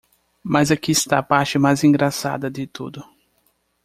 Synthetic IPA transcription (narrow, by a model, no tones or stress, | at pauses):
mazakiɪst̪aːpaɾt͡ʃɪmajzĩŋɡɾasa̰d̪ɐd̪ɪt̪ṵd̪ʊ